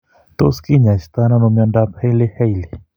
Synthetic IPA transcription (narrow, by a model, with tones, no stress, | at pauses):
t̪o˦ski˦˨ɲã˨ʃt̪a˦nã˦nõ˧˨mjɔ̃˧nda˧pʰe˦jle˦he˦jli˨